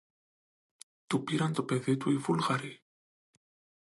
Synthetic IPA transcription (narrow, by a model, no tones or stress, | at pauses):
t̪upiɾant̪opeðet̪uifulɣaɾi